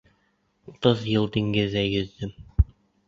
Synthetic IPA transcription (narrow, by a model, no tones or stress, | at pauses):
ut̪ɤðjɤlˠd̪ĭŋɡɘ̆ðːæjɵ̆ðːɵm